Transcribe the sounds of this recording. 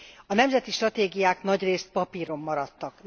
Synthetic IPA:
ɒnɛmzɛt̪iʃt̪rɒt̪eːɡijaːknɒɟreːst̪̚pɒpiːɾo̞mːɒɾɒt̪ːɒk

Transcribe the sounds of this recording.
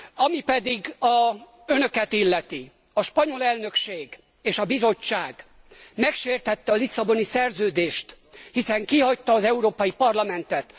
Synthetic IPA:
ɒmipɛd̪iɡɒ | ønø̞kɛt̪ilːɛt̪i | ɒʃpɒɲo̞lɛlnø̞kʃeːɡ | eːʃɒbizo̞t͡ʃːaːɡ | mɛkʃeːrt̪ɛt̪ːɛɒlisːɒbo̞nisɛrzøːd̪eːʃt̪hisɛŋkiɦɒct̪ːɒːzɛuɾoːpɒjipɒrlɒmɛnt̪ɛt̪

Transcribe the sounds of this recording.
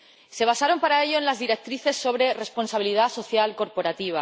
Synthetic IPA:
se̞β̞asaɾo̞mpaɾae̞ʎo̞enlazðiɾe̞k̚t̪ɾiθe̞sːo̞β̞ɾe̞re̞spo̞nsaβiliðaso̞θjalko̞ɾpo̞ɾat̪iβ̞a

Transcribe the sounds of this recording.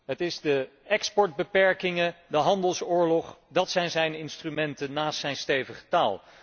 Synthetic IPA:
ɦətɪzdə | ɛkspɔɹd̚bəpɛɹkɪŋədəɦɑndəlˠsʊːɹlɔχdɑtsɛjnzɛjnɪnstrymɛntənːaːstsɛjnstejvəχə̥taːlˠ

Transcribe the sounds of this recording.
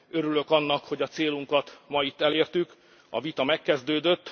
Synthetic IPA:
ø̞ɾylø̞kɒnːɒkho̞ɟɒt̪seːluŋkɒt̪mɒit̪ːɛleːrt̪yk | ɒ̰vit̪ɒmɛkːɛzd̪øːd̪øt̪ː

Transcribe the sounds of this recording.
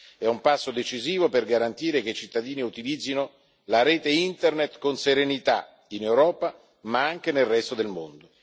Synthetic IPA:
ɛumpasːod̪et͡ʃiziːvoperɡaɾant̪iːɾek̟et͡ʃit̪ːad̪iːniut̪ilid̪zːino | laɾeːt̪eint̪ernet̪konseɾenit̪a | inewɾɔːpa | maaŋk̟enelrɛst̪od̪elmo̰nd̪o

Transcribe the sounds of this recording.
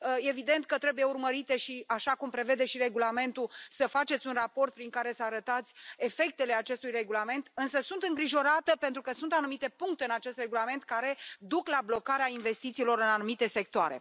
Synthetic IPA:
evid̪e̞nt̪̚kət̪ɾebuje̞urməɾit̪e̞ʃiaʃakumpɾe̞ve̞d̪e̞ʃiɾe̞ɡulame̞nt̪usəfat͡ʃe̞t̪sʲunrapo̞rt̪̚pɾiŋkaɾe̞səaɾət̪at̪sʲe̞fe̞k̚t̪e̞leat͡ʃe̞st̪ujre̞ɡulame̞nt̪ɨnsəsunt̪ɨŋɡɾiʒo̞ɾat̪əpe̞nt̪ɾukəsunt̪anumit̪e̞puŋkt̪eɨnat͡ʃe̞st̪re̞ɡulame̞nt̪̚kaɾe̞d̪uklablo̞kaɾeainve̞st̪it̪silo̞ɾɨnanumit̪e̞se̞k̚t̪oaɾe̞̰

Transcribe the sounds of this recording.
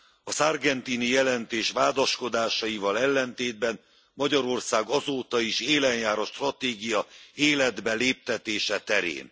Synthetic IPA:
ɒzarɡɛnt̪inijɛlɛnt̪eːʃʋaːd̪ɒʃko̞d̪aːʃɒjivɒlɛlːɛnt̪eːd̪bɛn | mɒɟɒɾo̞rsaːɡɒzoːt̪ɒiʃeːlɛɲjaːɾoʃt̪rɒt̪eːɡijɒeːlɛd̪bɛleːp̚t̪ɛt̪eːʃɛt̪ɛɾḛːn

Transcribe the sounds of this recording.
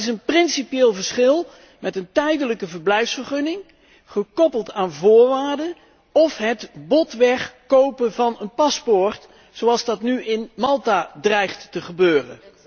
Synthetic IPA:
ɪs̬ənprɪnsipieːlˠvəɹsχɪlˠ | mɛtəntɛjdələkəvəɹblɛjfsfəɹχɵnɪŋ | χəkɔpəlˠtaːnvʊːɹʋaːɹdə | ɔfɦətbɔtʋɛχkowpənvɑnənpɑspʊːɹt | sowɑlˠzdɑtnyɪnmɑlˠtadrɛjχtːəχəbøːrə̰n

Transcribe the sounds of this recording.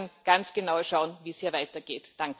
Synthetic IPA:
nɡ̥ant͡sɡ̥ənaʊəʃaʊənviːshiːɐvaɪtɐɡ̥eːtd̥aŋk

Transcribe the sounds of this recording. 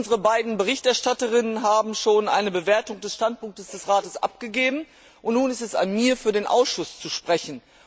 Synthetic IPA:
nzəʁəbaɪdn̩bəʁ̞ɪçtɛɐʃtatəʁ̞ɪnənɦaːbm̩ʃoːnʔa̰ɪnəbəveːɐtʊŋdɛsʃtant̚pʊŋk̚təsd̥ɛsʁaːtəsʔa̰p̚ɡ̥əɡeːbm̩ | ʔʊntnuːnɪstɛsa̰nmiːɐfyːɐdeːnʔa̰ʊsʃʊst͡suʃpʁ̥ɛçn̩

